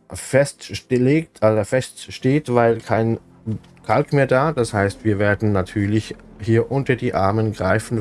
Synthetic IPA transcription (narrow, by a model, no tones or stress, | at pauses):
fɛstleːktʔodɐfɛstʃteːtv̥aɪlkʰaɪn | kʰalkmeːɐdaːd̥ashaɪstv̥iːɐveːɐdn̩natʰyːɐlɪç | hiːɐʔʊntɐdiːʔaɐmənɡʁaɪfn̩